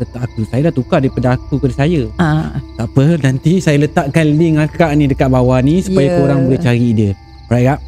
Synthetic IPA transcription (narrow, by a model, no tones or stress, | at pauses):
lət̪aʔakusajadaʔt̪ukadaipadaakukadəsajəat̪aʔpənant̪isajələt̪aʔkanliŋakaʔnĩdəkat̪ʔ̪̚bawanisupajakoɾaŋbəɡət͡ʃaɾidiə | ɾajɡaʔ